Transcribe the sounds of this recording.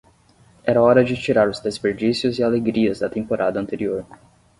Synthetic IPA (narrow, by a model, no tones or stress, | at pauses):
ɛɾɐɔɾɐd͡ʒɪt͡ʃiɾaɾʊzd̪espeɾd͡ʒisiʊzɪaleɡɾiɐzd̪ɐt̪ẽmpoɾʔad̪ɐ̃nt̪eɾioɾ